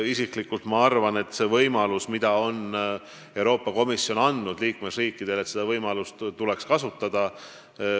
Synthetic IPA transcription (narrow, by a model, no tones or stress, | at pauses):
isiklikːult̪mɑɑrvɑne̞t̪ːse̞vɤjmɑlusmid̪̥ɑo̞n | e̞wɾo̞ːpːˑɑko̞misjo̞nɑnd̪nud̪̥liːkme̞sriːkːid̪̥e̞let̪se̞d̪ɑvɤjmɑlust̪t̪ule̞kskɑsut̪ːˑɑd̪̥ɑ